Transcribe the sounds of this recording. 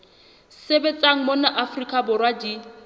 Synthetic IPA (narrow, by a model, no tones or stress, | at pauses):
sebet͡sʼaŋ̩monaʔafrikʼabʊrwadi